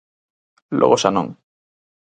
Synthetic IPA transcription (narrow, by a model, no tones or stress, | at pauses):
lʔo̰ɣosanõ̰ŋ